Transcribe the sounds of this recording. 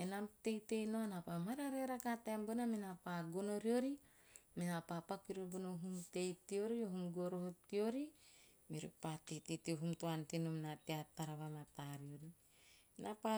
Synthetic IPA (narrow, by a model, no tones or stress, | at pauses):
enamte̞jte̞jnoanapamaɾaɾeɾakateambonaminapaɡono̞ɾio̞ɾi | minapapakiɾobonoɦumte̞jtio̞ɾioɦumɡoɾohotio̞ɾi | miɾṵpatejtetioɦumtoantenomnateataɾaβamataɾioɾi | napa